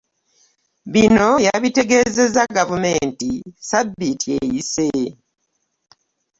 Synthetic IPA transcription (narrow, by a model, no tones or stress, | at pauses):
βino̞jaβite̞ɡe̞ːze̞zaɡavume̞ːntisabːitʰiejise